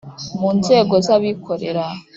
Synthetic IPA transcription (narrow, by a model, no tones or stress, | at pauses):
muːnze̞ːɡo̞zaβikʰo̞ɾeɾa